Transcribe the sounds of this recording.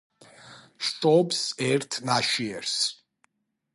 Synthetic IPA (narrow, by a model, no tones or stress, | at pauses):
ʃt̪ʼɔbsɛɾt̪ʰnaʃiɛɾs